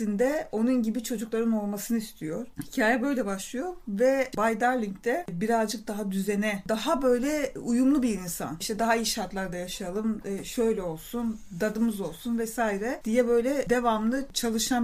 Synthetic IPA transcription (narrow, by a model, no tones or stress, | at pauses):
ind̪ɛo̞nunɟibit͡ʃʰo̞d͡ʒuklˠaɾɯno̞lˠmasɯnɯist̪ʰijo̞ɾ̥hi̥cʰaːjɛbø̞jlʲɛbaʃlˠɯjo̞ɾvɛbajd̪aɾlʲiɲct̪ʰɛbiɾazd͡ʒɯk̚d̪aɦad̪yzenɛd̪aɦabø̞jlʲɛujumlˠubiɾinsa̰niʃt̪ʰɛd̪aɦaijʃaɾt̪lˠaɾd̪ajaʃajalˠɯmʃøjlʲɛo̞lˠsund̪ad̪ɯmɯzo̞lˠsunvɛsaːiɾɛd̪ijɛbø̞jlʲɛd̪e̞vamlˠɯt͡ʃʰalˠɯʃam